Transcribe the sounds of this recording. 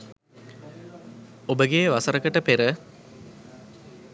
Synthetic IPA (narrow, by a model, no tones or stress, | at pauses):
obəɡeʋasəɾəkəʈəpeɾə